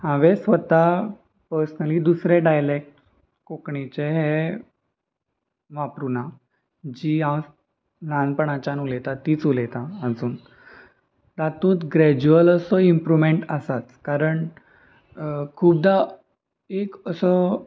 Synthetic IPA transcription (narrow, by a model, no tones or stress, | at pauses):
hãʋesʋət̪a | pəɾsnaliːd̪usɾeɖajlek̚ʈ | kokɳit͡ɕeɦɛ | ʋapɾuna | d͡ʑiːãw | nãnpəɳat͡ɕanulet̪at̪ːiːt͡sulɛt̪aːd͡zuːn | t̪at̪ũːt͡s̪ɡɾɛd͡ʑuələsɔimpɾumeɳʈasat͡skaɾəɳ | kʰuːb̚d̪a | ekəsə